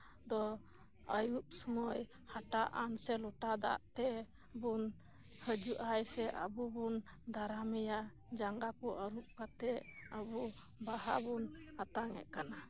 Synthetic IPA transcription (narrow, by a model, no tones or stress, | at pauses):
d̪ɔ | əjup̚sɔmɔj | haʈaʔansɛlɔʈad̪a̰ʔt̪ɛ | bun | həd͡ʒuʔajsɛʔə̰bubund̪aɾamɛja | d͡ʒaŋɡakɔʔəɾup̚kat̪ɛəbu | baɦa̰bunhat̪aŋɛ̰ʔkana